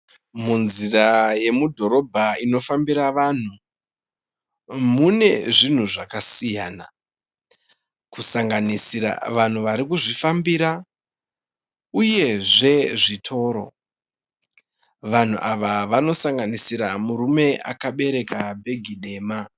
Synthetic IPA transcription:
munziraje̞mudʱo̞ɾo̞bʱaino̞fambiɾaʋan̤u | mune̞ʐin̤uʐakasijaːna | kusaŋɡanisiɾa̰ʋan̤uʋaɾikuʐifambiɾa | uje̞ʐe̞ʐitʰo̞ːɾo̞̰ | ʋan̤ṵʔaʋaʋano̞saŋɡanisiɾamuɾume̞ʔa̰kaɓe̞ɾe̞kabʱe̞ɡʱiɗe̞ːma

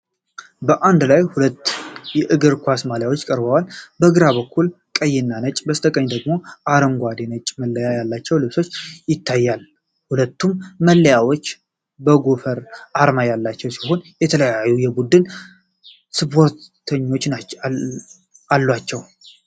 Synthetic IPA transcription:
bəʔand̪lajhulət̪ːjɛʔɨɡɨɾkʷasmaljawo̞t͡ʃːkʼəɾbəwalbəɡɨɾaβəkʰːul | kʼəjːɪnːanət͡ʃʼbəst̪ʰəkʼəɲːd̪əɡmo̞ʔaɾəmɡʷad̪enət͡ʃʼməlːəjajalːat͡ʃːɛwlɨβso̞t͡ʃːjɪt̪ːajːal | hulət̪ːumːəlːəjawo̞t͡ʃː | bəɡofəɾʔaɾmajalːat͡ʃːɛwsi̥ɦo̞njɛt̪ʰələjajːujɛbud̪ɨn | sɨpʰo̞ɾt̪ʰəɲːo̞t͡ʃːna | alːwat͡ʃːɛw

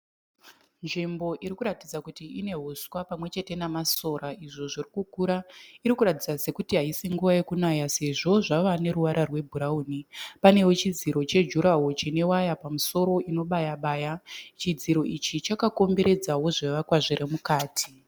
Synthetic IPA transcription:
nʐimbo̞ʔiɾikuɾatid͡zakutiine̞ɦuswapamwe̞t͡ʃe̞te̞namaso̞ɾaʔiʐo̞ʐirikukuɾaiɾikuɾatid͡zase̞kutiɦaisiŋɡuʋaje̞kunajase̞ʐo̞ʐaʋane̞ɾuʋaɾʔarwe̞bʱuɾauːnipane̞wo̞t͡ʃid͡ziɾo̞t͡ʃe̞d͡ʒuɾaɦo̞t͡ʃine̞wajapamuso̞ɾo̞ʔino̞ɓajaɓaːjat͡ʃid͡ziɾo̞ʔit͡ʃit͡ʃakako̞mbe̞ɾe̞d͡zawo̞ʐeʋakwaʐiremukaːtʰi̥

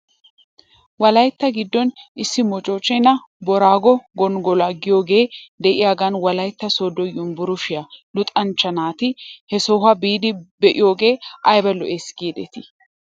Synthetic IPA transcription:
wɐlɐjt̪ːɐɡɪd̪ːɔnɪsːɪmɔt͡ʃʼoːt͡ʃʼːɛnɐ | bɔɾaːɡɔɡɔnɡɔlaɡɪjo̞ːɡe̞ːd̪ɛʔɪjaːɡɐnwɐlɐjt̪ːɐsoːd̪ɔjʊmbʊɾʊʃɪjɐlʊt̪ʼɐnt͡ʃːɐnaːt̪ɪhɛsɔhɐbiːd̪ɪbɛʔɪjo̞ːɡe̞ːʔɐjbɐlɔʔeːsɡiːd̪ɛ̰t̪ɪ̥

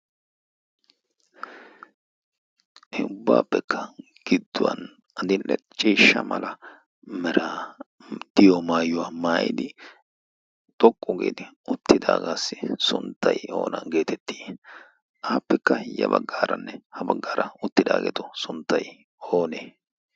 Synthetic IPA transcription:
ɛʊbːaːpːɛkʰːɐ̥ | ɡ̥ɪd̪ːʊwɐ̰n | ɐd̪ɪlʔɛ | t͡ʃʼiːʃːɐmɐlɐ | mɛɾa | d̪̥ɪjɔmaːjʊwaːmaːjɪd̪ɪ | t̪ʼɔkʼːʊɡḛːd̪ɪʊt̪ːɪd̪aːɡaːsːɪsʊnt̪ʰːɐjo̞̰ːnɐ̰nɡe̞ːt̪ɛt̪ːi̥ː | ʔaːpːɛkːɐjɐ̰bɐɡːaːɾɐnːɛhɐbɐɡːaːɾɐʊt̪ːɪd̪aːɡɛ̰t̪ɔsʊnt̪ːɐj | oːneː

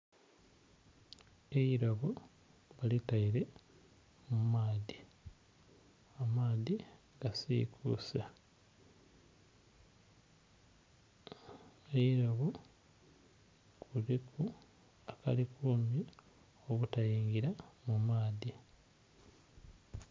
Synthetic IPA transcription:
eiɾoβo | βalitaiɾe̞ | mumaːði | amaːði | ɡasḭːkʰṵsa | eiɾoβo | kʰuɾikʰu | aka̰likuːmi | o̞βutajiːŋɡiɾamumaːði

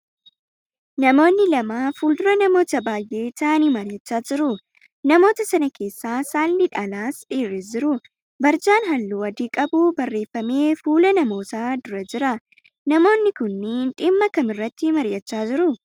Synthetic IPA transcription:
nɐmo̞ːnːɪlɐmaːfuːld̪ʊɾɐnɐmo̞ːt̪ɐbaːjʔe̞ːt̪aːnimɐɾjɐt͡ʃːaːd͡ʒɪɾʊ | nɐmo̞ːt̪ɐsɐnɐkʰe̞ːsːaːsaːlːɪᶑɐlaːsᶑiːrːɛsd͡ʒɪɾʊ | bɐɾd͡ʒaːnɦɐlːuːɐd̪iːkʼɐbubɐrːe̞ːfːɐme̞ːfuːlɐnɐmo̞ːt̪aːd̪ʊɾɐd͡ʒɪɾɐ | nɐmo̞ːnːɪkʊnːɪᶑɪmːɐkɐmɪrːɐt̪ːɪmɐɾjɐt͡ʃːaːd͡ʒɪɾʊ

